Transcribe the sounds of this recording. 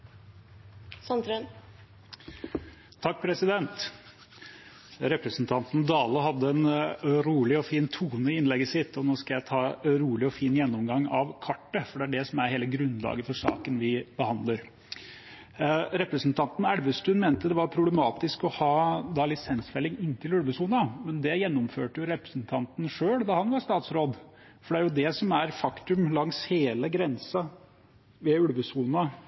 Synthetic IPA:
sɑnd̪ɾøn | t̪ʰːɑk̚ːpʰɾɛsɪd̪ɛnt̪ | ɾɛpɾəsnt̪ʰɑnt̪n̩d̪ɑːləɦɑd̪ːəɛnɾuːlɪɔfiːnt̪ʰuːnəɪɪnlɛɡəsɪt̪ʰːɔnoːskɑjæɪt̪ʰɑːɾuːlɪɔfiːnjɛnːɔmɡɑŋːɑʋkʰɑʈːəfɔɖɛæɖɛsɔmæɾheːləɡɾʉnːlɑ̰ːɡəɾfɔʂɑ̰ːkənʋɪbəhɑnd̪ləɾ | ɾɛpɾəsənt̪ʰɑnt̪n̩æɽʋəst̪ʉnmeːnt̪əd̪ɛʋɑɾpʰɾʊblɛmɑːt̪ɪskɔhɑːd̪ɑlɪsɛnsfɛlːɪŋɪnːt̪ʰɪlʉɽʋəsuːnɑmɛnd̪ɛjɛnːɔmføːʈəjʊɾɛpɾəsnt̪ʰɑnt̪n̩ʂøːɽd̪ɑhɑnʋɑʂt̪ɑːt̪sɾoːd̪ | fɔɖɛæɾjʊd̪ɛsɔmæɾfɑkt̪ʉmlɑŋsheːləɡɾɛnsɑ | ʋɛʉɽʋəsuːnɑ

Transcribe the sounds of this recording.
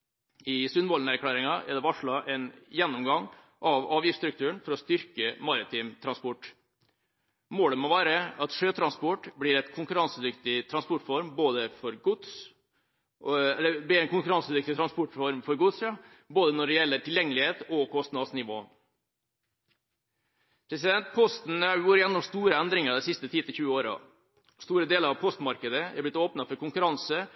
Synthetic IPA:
ɪsʉnʋɔlnəæɾkʰɽæːɾɪŋɑʔæ̰d̪ɛʋɑʂɭɑʔɛnjɛnːʊmɡɑŋ | ʔɑʋɑːʋjɪfst̪ɾʉk̚t̪ʰʉːəɳfɔɾɔst̪ʏɾkəmɑɾɪt̪ʰiːmt̪ʰɾɑnspɔʈː | moːləmɔʋæːɾəɑt̪ʂøːt̪ʰɾɑnspɔʈblɪɾɛt̪kʰʊŋkʉɾɑnsəd̪ʏkt̪ɪt̪ʰɾɑnspɔʈfɔɾmboːd̪əfɔɾɡʊd̪s | ɛlːəblɪɾɛɪnkʊŋkʉɾɑnsəd̪ʏkt̪ɪt̪ʰɾɑnspɔʈfɔɾmfɔɾɡʊd̪sɑ | boːd̪ənɔɖɛjɛlːəʈʰɪljɛŋːəlɪheːt̪ɔkʰɔst̪nɑsnɪʋo̰ː | pʰɾɛsɪd̪ɛnt̪pʰɔst̪n̩ɑʋuːɾəjɛnːɔmst̪uːɾəɛnd̪ɾɪŋəɾd̪ɛsɪst̪ət̪ʰiːt̪ʰɪlçʉːəoːɾɑ̰ | st̪uːɾəd̪eːləɾɑʋpʰɔst̪mɑɾkəd̪əɛ̰ɾblɪt̪oːpnɑfɔɾkʊŋkʉɾɑnsə

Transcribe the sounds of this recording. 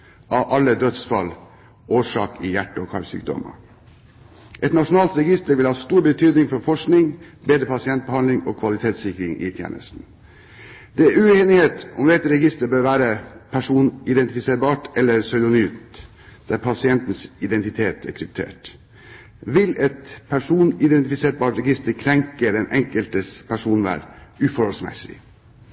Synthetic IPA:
ɑʋʔɑlːəd̪œt̪sfɑ̰l | oːʂɑ̰ːkɪjæʈːəɔkʰɑlsy̰ːk̚d̪ɔ̰mə̰ | ʔɛt̪nɑʂʊnɑːlt̪ɾɛɡɪst̪əɾʋɪlhɑːst̪uːɾbət̪ʰyːd̪nɪŋfɔɾfɔʂknɪŋbeːd̪ɾəpʰɑsɪɛnt̪̚bəhɑnlɪŋoːkʰʋɑlɪt̪ʰeːt̪sɪkɾɪŋʔɪ̰t̪ʰjḛːnʔə̰st̪n̩ | d̪̥ɛæʉeːnɪheːt̪ʊmd̪ɛt̪ɾɛɡɪst̪əɾbøːɾʋæːɾəpʰæʂuːnɪd̪ɛnt̪ɪfɪseːɾbɑːʈɛlːəɾsœʏd̪ʊnyːt̪ | d̪̥æɾpʰɑsɪɛnt̪n̩sɪd̪ɛnt̪ɪt̪ʰeːt̪æ̰ɾkʰɾɪp̚t̪ʰḛːʈ | ʋɪlɛt̪pʰæʂuːnɪd̪ɛnt̪ɪfɪseːɾbɑːʈɾɛɡɪst̪əɾkʰɾɛŋkəd̪ɛnʔɛŋkəlt̪əspʰæʂuːnʋæ̰ːɾʉːfɔɾhɔlsmɛ̰sɪ̰

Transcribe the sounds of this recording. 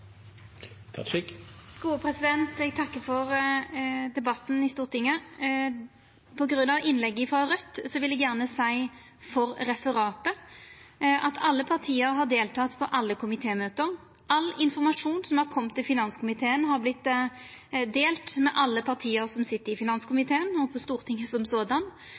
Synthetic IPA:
ɡ̥uːəpʰʁɛsɪd̪ɛnt̪ɛɡt̪ʰɑkːəfɔʁ | d̪ɛbɑt̪n̩ɪst̪uːʁt̪ɪŋːə | pʰɔɡɾʉnːɑʋɪnlɛɡːəɪfʁɑʁœt̪ːsɔʋɪlɛɡjæʁnəsæɪ | fɔʁɾɛfəʁɑːt̪ə | ʔɑt̪ʰɑlːəpʰɑʁt̪ʰiːəɾɦɑʁd̪eːlt̪ʰɑːt̪pʰɔʔɑlːəkʰʊmɪt̪ʰeːmøːt̪əʁ | ʔɑlːɪnfɔʁmɑʂuːnsɔmhɑʁkʰɔmːt̪ʰːɪfɪnɑnskʰʊmɪt̪ʰeːənɦɑɾblɪt̪ː | d̪eːlt̪mɛʔɑlːəpʰɑʁt̪ʰiːəɾsɔmsɪt̪ːəɾɪfɪnɑnskʊmɪt̪ʰeːənɔpʰɔst̪uːʁt̪ʰɪŋːəsɔmsoːd̪ɑn

